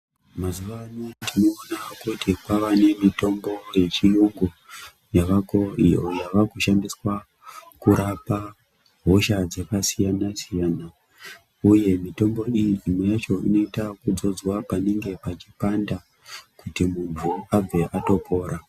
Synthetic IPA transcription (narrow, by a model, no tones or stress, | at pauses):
mazuʋanotino̞ːnakutikwaʋane̞mito̞mbo̞je̞t͡ʃijuŋɡu | jaʋako̞ḭojaʋakuʃandiswa | kuɾapa | ɦo̞ʃad͡zekasijanasijaːna | uje̞mito̞mbo̞ijiimwejat͡ʃo̞ḭno̞itakud͡zo̞d͡zwapane̞ŋɡe̞pat͡ʃipanda | kutimunvuab͡ve̞ʔato̞pʰo̞ːɾa